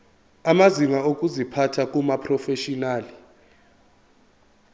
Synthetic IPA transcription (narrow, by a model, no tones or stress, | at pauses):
amaziŋaok̬ʼuzipʰatʰak̬ʼumapʰrɔfeʃɔnaːli